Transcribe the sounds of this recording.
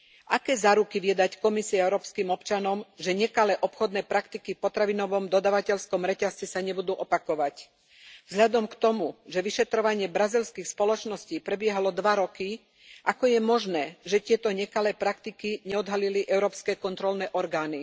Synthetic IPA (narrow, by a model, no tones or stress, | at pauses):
ʔakɛːzaːɾukiʋiɛd̪ackɔmisiɛɛʊɾɔːpskiːmɔpt͡ʃanɔmʒɛɲɛkalɛːʔɔpxɔd̪nɛːpɾakt̪ikifpɔt̪ɾaʋinɔʋɔmd̪ɔd̪aːʋacɛʎskɔmɾɛcast͡sɛsaɲɛbud̪uːʔɔpakɔʋac | vzɦʎad̪ɔmkt̪ɔmuʒɛʋiʃɛt̪ɾɔʋaɲɪɛbɾazilskiːxspɔlɔt͡ʃnɔsciːpɾɛbɪɛɦalɔd̪ʋaɾɔki | ʔakɔjɛmɔʒnɛːʒɛt̪ɪɛt̪ɔɲɛkalɛːpɾakt̪ikiɲɛɔd̪ɦaliliʔɛʊɾɔːpskɛːkɔnt̪ɾɔlnɛːʔɔɾɡaːni